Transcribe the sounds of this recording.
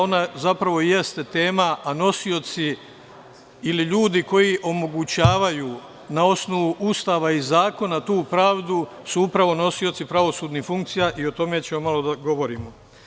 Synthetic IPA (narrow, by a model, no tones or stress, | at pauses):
o̞nazapɾaʋo̞je̞st̪et̪e̞ːmaʔano̞sio̞t̪si | iliʎuːd̪iko̞jiʔo̞mo̞ɡut͡ɕaːʋajuː | nao̞sno̞ʋuʔust̪aːʋaizaːko̞nat̪uːpɾaːʋd̪u | suupɾaʋo̞no̞sio̞t̪sipɾaʋo̞suːd̪nifuŋk̚t̪sijaʔio̞t̪o̞me̞t͡ɕemomalˠo̞d̪aɡo̞ʋo̞ɾiːmo